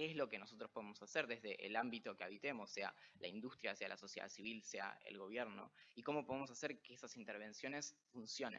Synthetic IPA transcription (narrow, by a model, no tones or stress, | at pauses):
keeslo̞keno̞so̞t̪ɾospo̞ðemo̞saseɾðezðe̞ʔḛlambit̪o̞keaβ̞it̪emosːe̞a̰lʔaind̪ust̪ɾjase̞a̰lʔa̰so̞sjea̰siβilsea̰ḛlɣo̞β̞jeɾno̞̰iko̞mo̞poð̞emo̞s̬aseɾkeesasint̪eɾβ̞e̞nsjo̞ne̞sfunsjo̞nḛ̃n